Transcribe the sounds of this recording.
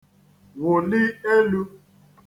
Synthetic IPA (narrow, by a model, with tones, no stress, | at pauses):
wʊ˨lɪ˦e˦lu˦